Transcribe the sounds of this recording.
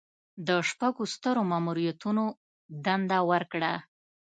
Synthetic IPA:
d̪əʃpaɡost̪əɾomamuɾijat̪uno | d̪and̪awəɾkɽa

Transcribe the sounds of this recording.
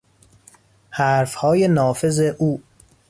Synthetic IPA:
hæːɾfhɒːjenɒːfe̞zeʔuː

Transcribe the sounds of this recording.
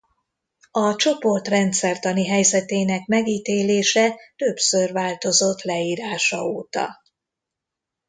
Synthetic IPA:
ɒt͡ʃo̞po̞rt̪rɛnt̪sɛrt̪ɒniɦɛjzɛt̪eːnɛkmɛɡiːt̪eːleːʃɛt̪ø̞bsørvaːlt̪o̞zo̞t̪ːlɛiːɾaːʃɒ̰oːt̪ɒ̰

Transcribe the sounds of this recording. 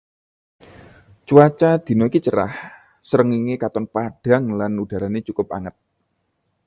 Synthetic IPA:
t͡ʃuat͡ʃad̪̥i̤noikit͡ʃəɾa̰h | səɾəŋiŋekat̪ɔnpaɖ̥a̤ŋlanud̥a̤ɾanet͡ʃukʊp̚a̰ŋət̪̚

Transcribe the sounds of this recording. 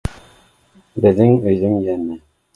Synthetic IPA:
bɘ̆ðɘŋɵ̆jðɘmjænæ

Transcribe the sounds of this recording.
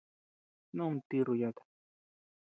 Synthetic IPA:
nʊmt̪iɾʊjat̪ḁ

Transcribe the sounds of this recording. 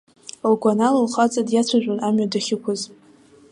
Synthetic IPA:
lɡʷanalalχat͡sʼadjat͡ɕʷʰaʒʷᶣanamɥadaχʲɪkʷʰʊz

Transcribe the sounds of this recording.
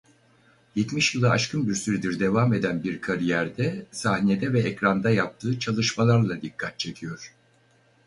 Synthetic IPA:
jɛt̪miʃjɯlˠaaʃkʰɯnbiɾsyɾɛd̪iɾd̪e̞vame̞d̪ænbiɾkʰaɾijæɾd̪ɛsahne̞d̪ɛvɛɛcɾand̪ajap̚t̪ʰɯːt͡ʃʰalˠɯʃmalˠaɾlˠad̪ikʰːat̪̚t͡ʃʰe̞cʰijo̞ɾ̥

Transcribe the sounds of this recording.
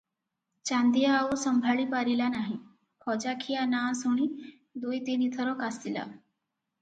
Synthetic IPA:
t͡ɕãnd̪ijaːʋosəmbʱaɭiːpaɾilanaɦi | kʰɔd͡ʑakʰijanasoɽ̃iː | d̪ujt̪enit̪ʰəɾɔkast̪ila̰

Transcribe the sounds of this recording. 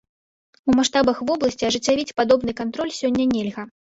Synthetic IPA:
umaʂt̪abɐxvɔblˠɐsʲt͡sʲiɐʐɨt͡sʲːavʲit͡sʲpad̪ɔbnɨkant̪ɾɔlʲsʲɔnʲːɐnʲelʲɣɐ

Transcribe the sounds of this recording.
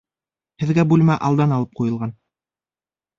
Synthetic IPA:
hɘ̆ðɡæbulmæʔɑlˠd̪ɑnɑlˠɤp̚qujɤ̆lˠʁɑn

